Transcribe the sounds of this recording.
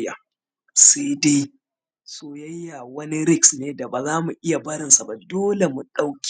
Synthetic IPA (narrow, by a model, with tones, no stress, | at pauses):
ja̰˨ | sa˦da˦j | soː˦ja˦jːaː˨wɐ˦ni˦ɾɪ˦ksneː˦da˨ba˨zaː˦mu˨ʔɪ˦ja˨bɐ˦ɽɪ˨nsa˨ba˨doː˦le˨mu˨ɗa˦wkʲː